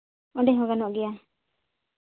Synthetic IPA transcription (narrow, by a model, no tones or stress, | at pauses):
ɔɳɖɛɦɔɡanɔʔɡɛja